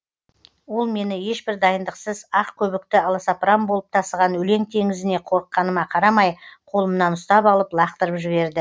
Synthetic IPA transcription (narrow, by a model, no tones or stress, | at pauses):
wo̞lˠme̞nɪje̞ʃbɪɾd̪ɑjənd̪əqsəzɑqkʲʰɵβɪk̚t̪ɪɑlˠɑsɑpɾɑmbo̞lˠəp̚t̪ʰɑsəʁɑnwɵle̞ŋt̪ʰe̞ŋɪzɪne̞qʰo̞ɾəqːɑnəmɑqʰɑɾɑmɑjqʰo̞lˠəmənɑnʊst̪ɑpɑlˠəplˠɑqt̪əɾəpʒɪβe̞ɾd̪ɪ